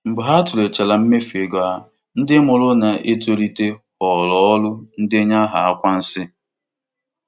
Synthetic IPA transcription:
m̩˨bʊ˨ɦa˦tʊ˨ɾe˨t͡ʃa˨la˨m̩˦me˦fe˨ɡɔ˨a˨ | n̩˦dɪ˦mʊ˨lʊ˦na˨ʔe˦t̬o˦li˦te˦ | ɔ˨lɔ˨ɔ˦lʊ˦n̩˦dɪ˦ɲa˦ɦa̰˨a˦kʷa˦n̩˦sɪ˦

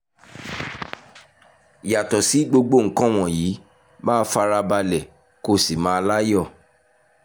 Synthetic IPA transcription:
ja˨tɔ˨si˨˦ɡ͡bo˧ɡ͡bo˦˨ŋ̩˨˦kã˦w̃ɔ̃˨jiː˨˦ | mãː˦fa˧˦ɾa˧ba˧lɛ˨ | ko˦si˨mãː˨˦˧la˦jɔ˦˨

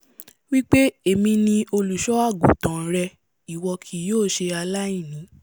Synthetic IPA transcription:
wi˦k͡pe˦e˨mĩ˧nĩ˧o˧lu˨ʃɔ˦a˦˨ɡũ˨tã˨˦ɾɛ˧ | i˨wɔ˧kʰi˧joː˦˨ʃe˧a˧la˦ĩ˦˨nĩ˨˦

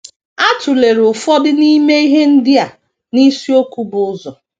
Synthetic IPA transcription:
a˦tʊ˨le˨ɾʊ˨fɔ˦dɪ˦ni˦me˦i˦ɦe˦n̩˦dɪ˦a˨ | ni˦si˦o˦ku˦bʊ˨ʊ˦zɔ˨

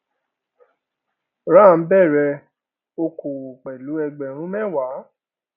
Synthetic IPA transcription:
ɾã˦˨n̩˦bɛ˦˨ɾɛ˧ | o˧kʰo˨k͡pɛ˨lu˨˦ɛ˧ɡ͡bɛ˨ɾ̃ũ˦mɛ̃˦˨wa˨˦

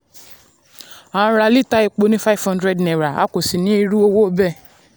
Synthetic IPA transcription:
ã˨˦˧ɾa˧li˦˨ta˦i˧k͡po˨˧nĩ˦fa˦˨fhã˦ndɾɛ˧dnɛ˨ɾa˨a̰˦ko˨si˨nĩ˦i˧ɾu˦o˧wo˦bɛ˦˨

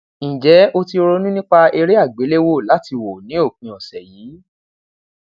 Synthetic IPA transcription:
ĩ˨d͡ʒɛ˨˦o˦ti˧ɾo˦nũ˦nĩ˦k͡pa˧e˧ɾi˦a˦˨ɡ͡be˨˦le˦wo˦˨la˨˦ti˧wo˨nĩ˨˦o˦˨kĩ˧ɔ˨sɛ˨jiː˨˦

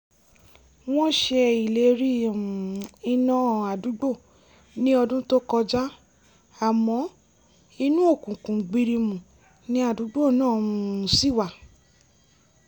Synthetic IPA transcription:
w̃ɔ̃˦ʃe˧i˨le˨˦ɾi˦˨i˧nã˦˨a˨du˨˦ɡ͡bo˦˨ | nĩ˦ɔ˧dũ˦to˦kɔ˧d͡ʒa˦ | a˨mɔ̃˨˦ | i˧nũ˦o˦˨kũ˨kũ˨ɡ͡bi˧ɾi˧mũ˨ | nĩ˦a˦˨du˨˦ɡ͡bo˦˨nãː˦˨˧si˦˨wa˨

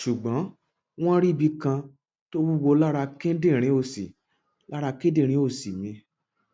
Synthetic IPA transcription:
ʃu˨ɡ͡bɔ̃˨˦ | w̃ɔ̃˦ɾi˦˨bi˧kã˧ | to˦wu˦wo˧la˦ɾa˧kẽ˦dẽ˦˨ɾ̃ĩ˨˦o˦˨si˨ | la˦ɾa˧kẽ˦dẽ˦˨ɾ̃ĩ˨˦o˦˨si˨mĩ˧˦

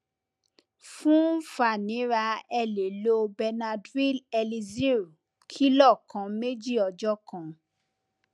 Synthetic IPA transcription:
fũ˦fa˨nĩ˨˦ɾa˧ɛ˧le˨lo˦bɛ˧na˧dwi˦lɛ˧li˧zi˦ɾu˨ | kʰi˦lɔ˦˨kã˨˦me˦d͡ʒi˦˨ɔ˧d͡ʒɔ˦kã˨

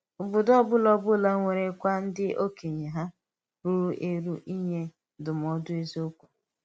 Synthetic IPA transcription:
ʊ˨bʊ˨dɔ˦bʊ˦lɔ˦bʊ˦la˦ŋʷe˨ɾe˨˦kʷa˦n̩˦dɪ˦o˦ke˨ɲe˨ɦa˦ | ɾu˨ɾu˦ʔe˦ɾu˦ʔi˦ɲe˦ | dʊ˨m˨ɔ˦dʊ˦e˦zi˦o˦kʷu̥˨

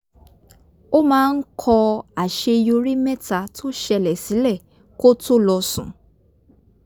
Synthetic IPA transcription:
o˦mãː˦˧˦n̩˦kʰɔ˧a˨ʃe˧jo˧ɾi˦mɛ˦˨ta˨˧tʰo˦ʃɛ˧lɛ˨si˨˦lɛ˦˨ | ko˦to˦lɔ˧sũ˨

